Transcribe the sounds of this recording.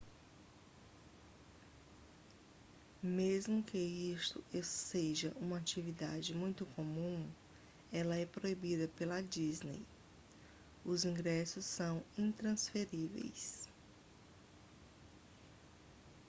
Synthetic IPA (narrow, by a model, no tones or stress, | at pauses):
mezmʊkɪist̪ʊeseʒɐʔũmɐat͡ʃivid̪a̰d͡ʒɪmũj̃t̪ʊkomũ | ɛlɐɛpɾoibid̪ɐpelɐd͡ʒiznḛj | ʊzĩɡɾɛsʊsːɐ̃w̃ĩt̪ɾɐ̃sfeɾivḛjs